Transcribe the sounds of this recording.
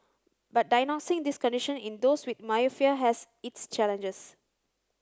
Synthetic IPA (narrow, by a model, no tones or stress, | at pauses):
bat̚dajnɔksɪ̃ŋdiskɔ̃ndiʃə̃nĩndoswit̪̚majəfiəɦɛs | itst͡ʃɛlə̃nd͡ʒəs